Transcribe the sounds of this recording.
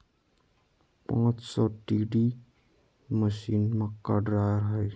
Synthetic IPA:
pãːt͡ʃsɔʈiɖi | məsinmakaɖɾajɾɦəj

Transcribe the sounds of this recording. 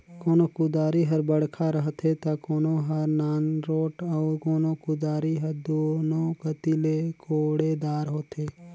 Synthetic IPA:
koːnokʊd̪aːɾiɦɐɾbəɽ̤kʰaɾəɦt̪et̪akoːnõɦɐɾnaːnɾoːʈɔːɾkoːnõkʊd̪aːɾiɦɐɾd̪oːnõkət̪ilekoːɽed̪aːɾɦoːt̪eː

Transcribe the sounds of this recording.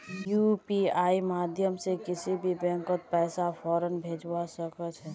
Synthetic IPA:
juːpiaːimaːd̪ʱjəmsekɪsibʱibɛ̃ŋkət̪̚pɛːsafʰɔːɾənbʱeːd͡ʒwasəkət͡ʃɦɛː

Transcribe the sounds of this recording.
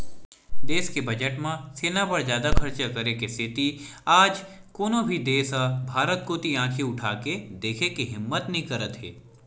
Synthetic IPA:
d̪eːskebɐd͡ʒəʈmãseːnapɐɾzjaːd̪akʰɐɾt͡ʃəkɐɾekest̪ʰɪt̪iaːd͡ʒ | koːnõbʱid̪eːsabʱaːɾət̪̚koːt̪iãːkʰiʊʈʰaːked̪eːkʰekiɦɪmːət̪nɐɦĩkɐɾət̪ɦḛː

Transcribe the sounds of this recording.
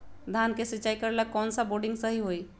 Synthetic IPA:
d̪ʱankesitːt͡ʃaikəɾeləkːɔːnsəboɾɖĩŋɡsəɦiɦoj

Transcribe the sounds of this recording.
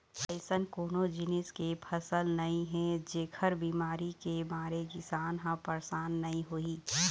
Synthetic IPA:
pəɪsənkoːnõd͡ʒɪnɪskepʰɐsəlnɐɦĩɦɛ̃d͡ʒeːkʰəɾbiːmaːɾikemaːɾeɡɪsaːnɦãpəɾsaːnːɐɦĩɦoiː

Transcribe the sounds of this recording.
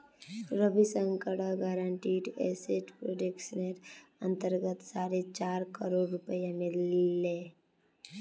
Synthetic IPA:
ɾəbʱisə̃ŋkəɽaɡaːɾaɳʈiːʈḛseʈpɾoɖekʃəneɾə̰̃nt̪əɾɡət̪saːɾet͡ʃaːɾkəɾoːɖɾʊpəjamelːeː

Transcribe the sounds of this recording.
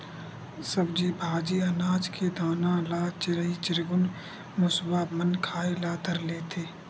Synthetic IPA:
sɐbd͡ʒiːbʱaːd͡ʒiɐnaːd͡ʒkʰed̪ʱaːnãlaːt͡ʃɾəit͡ʃɪɾɡʊn | mʊswaːmənkʰaːelaːt̪əɾleːt̪ʰeː

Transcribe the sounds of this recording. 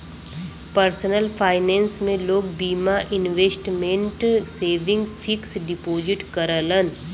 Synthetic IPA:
pəɾsənəlpʰaːɪnẽːnsmẽloːɡ̚biːmaʔɪnʋeːsʈmẽɳʈseːʋɪ̃ŋɡfʰɪksɖɪpoːd͡ʒɪʈkəɾələn

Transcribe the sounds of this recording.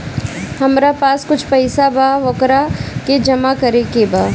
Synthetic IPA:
hɐmɾapaːskʊt͡ʃʰpɐɪsabaʋɐkɾaked͡ʒɐmakɐɾekebaː

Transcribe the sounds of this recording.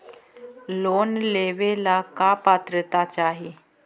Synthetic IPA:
lonleʋelakapat̪ɾət̪at͡ɕaɦi

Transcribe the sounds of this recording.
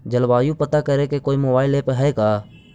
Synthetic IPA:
d͡ʒəlbaːjũːpət̪akəɾekekoːimoːbaːɪleːpɦɛːkaː

